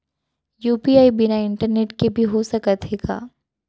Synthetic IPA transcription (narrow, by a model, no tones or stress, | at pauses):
juːpiaːibɪnaɪ̃ɳʈəɾneːʈkebʱiɦosɐkət̪ɦeɡa̰ː